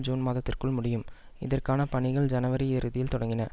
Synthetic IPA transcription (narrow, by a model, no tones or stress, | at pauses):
d͡ʒuːnmaːðɐt̪ːɪrkɯɭmʊɽɪjɯm | ɪ̰ðɐrkaːnɐpɐɳɪɣɐɭd͡ʒɐnɐʋɐɾiɪɾɯðɪjɪlt̪ɔɽɐŋɡɪnɐ